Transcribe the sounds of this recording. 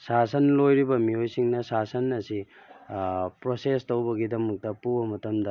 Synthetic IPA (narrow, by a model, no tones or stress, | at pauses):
sasɐnlojɾibɐmiojsiŋnɐsasɐnɐsi | pɾosestowbɐɡidɐmɐk̚tɐpubɐmɐtɐmdɐ